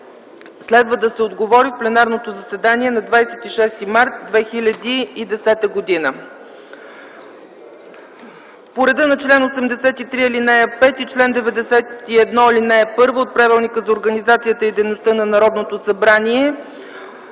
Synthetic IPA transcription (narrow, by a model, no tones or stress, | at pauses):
slɛd̪vəd̪əsɛod̪ɡovɔɾifplɛnaɾnot̪ozəsɛd̪aniɛnɐd̪vajsɛt̪iʃɛst̪imaɾt̪̚d̪vɛxilʲəd̪iːd̪ɛsɛt̪əɡod̪inə | poɾɛd̪ənɐt͡ʃlɛnosɛmd̪ɛsɛt̪it̪ɾiilinɛəpɛt̪it͡ʃlɛnd̪ɛvɛd̪ɛsɛt̪iɛd̪nɔilinɛɛpɤɾvoot̪̚pɾavilˠnikəzɐoɾɡənizat̪sijət̪əid̪ɛjnost̪ɤnɐnɐɾɔd̪not̪osɐbɾaniɛ